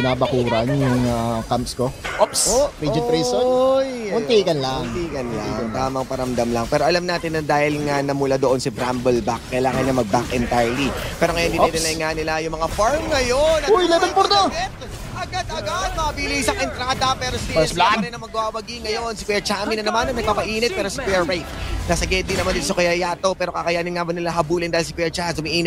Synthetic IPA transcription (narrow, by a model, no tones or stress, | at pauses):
pɪnaːbɐkuːɾɐnjjʊŋakampskoʔopsoɾid͡ʒɪɾisojʊnt̪iːɡɐnlɐaʊnt̪iːɡɐnlaŋt̪aːmɐŋpɐɾɐmd̪ɐmlɐŋpɛːɾoʔɐlamnaːt̪ɪnːɐd̪aːhɪlŋanɐmʊlad̪oʔo̞nsibɾambɛlbakːɐjlaːŋɐnɲɐmɐɡ̚bakʔɛnt̪ajlipɛːɾo̞ŋɐjond̪inɪlɐjŋanɪlajʊŋmɐŋafaɹmŋɐjonɐojlɛbɪnpoɾt̪oɛt̪̚ | ʔɐɡad̪ɐɡad̪̚mɐɐbilisɐŋʔɪnt̪ɾaːd̪ɐpɛːɾosisaɐɐɾɛnːɐmɐɡwaːwɐɡiŋːɐjo̞nsikwɛt͡ʃɐʔɐminɐnɐmanːɐŋnɐɡ̚paːpɐʔiːnɛt̪̚pɛːɾosɐkwɛɹːajt̪̚nɐsɐɡɛd̪inɐmand̪ɪnsɐkɐjɐjaːt̪o̞pɛːɾokakɐjaːnɪnŋabɐnɪlaɦɐbuːlɪnd̪aːɪlsɐkwɛt͡ʃɐɐsʊmiʔiːnɛt̚